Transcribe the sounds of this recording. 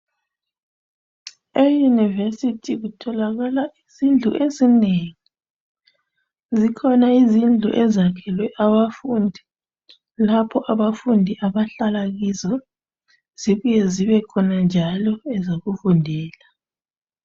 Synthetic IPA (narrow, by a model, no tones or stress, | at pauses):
ejunivesitʰiɣutʰɔlaɣalaizind͡ɮʱuʔezineŋi | zikʰɔnaizind͡ɮʱṵʔɛzakʰɛlwɛʔaβafundʱi | lapʰɔʔaβafundʱiʔaβaɬalaɣizɔ | z̥iβujeziβɛkʰɔnand͡ʒʱalɔɛzoɣufundʱɛːla